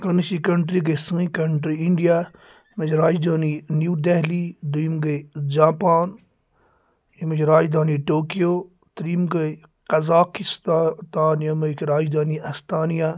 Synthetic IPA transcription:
kɐniʃikɐɳʈɾiɡɐsɐ̃ikɐɳʈɾiiɳɖijaː | mɐt͡ʃɾaːd͡ʒd̪aːninjuːd̪ɛɦlid̪uimɡɐd͡ʒaːpaːn | ɐmɐt͡ʃʰɾaːd͡ʒd̪aːniʈoːkijoː | t̪ɾimɡɐ | qɐzaːkist̪at̪aːnjɐmɐkʰɾaːd͡ʒd̪aːniɐst̪aːnijaː

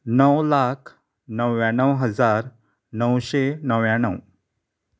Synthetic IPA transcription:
nəwlakʰ | nəwjãnəwɦəd͡zaɾ | nəwɕenəʋjãnəw

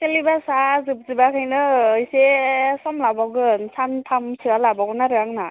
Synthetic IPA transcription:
selibasazɯp̚zɯbakʰɯjnɯːjsesɔmlabaɡɯnsantʰamsʰɯalabaɡɯnaɾɯaŋna

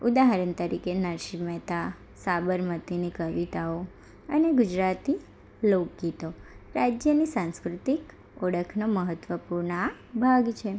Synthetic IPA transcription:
ud̪aɦaɾənt̪əɾikenəʃimɛt̪a | sabəɾmət̪inikəʋit̪ao | əneɡud͡ʒɾat̪i | lok̚ɡit̪oɾad͡ʒjənisãnskɾut̪ik | oɽəkʰnoməɦət̪ʋəpuɾɳabʱaɡt͡ʃʰe

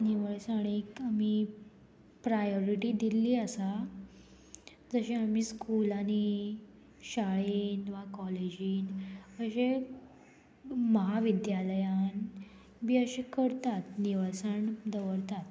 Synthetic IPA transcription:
niʋəɭsaɽ̃iːkami | pɾajoɾiʈiːd̪iliːəsa | d͡zəɕeamiːskulani | ɕaɭiːnʋakɔled͡ʑiːnəɕe | məɦaʋid̪jaləjan | biːəɕekəɾt̪at̪̚niʋasəɳd̪əʋəɽt̪at̪̚

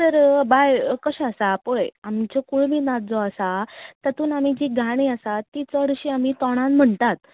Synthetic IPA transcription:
t̪əɾbajkəɕaəsapojamt͡ɕɔkuɭmiːnad͡zɔasat̪ət̪uːnam̤id͡ʑiːɡʱaɽ̃iəsat̪ːit͡sɔəɽɕiam̤iːt̪ɔɽ̃ãnm̤əɳt̪at̪

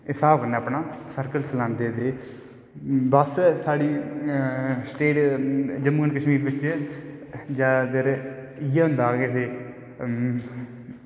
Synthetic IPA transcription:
ɪsaːbkənaːpnaːsəɾkəlt͡ʃəlãːnd̪eːd̪eː | bəssaːɽiː | sʈeːʈd͡ʒəmuɡənkəʃmiːɾbɪt͡ʃ | d͡ʒaːd̪əɾ | ɪjaːɦʊ̃nd̪aːɡet̪eː

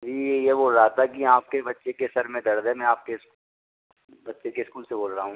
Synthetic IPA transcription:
d͡ʒiːjeboːlɾaɦat̪ʰakiaːp̚kebɐtːʃekesɐɾmẽd̪ɐɽd̪ẽmɛ̃aːp̚kes | bɐtːʃekeskuːlseboːlɾaɦũː

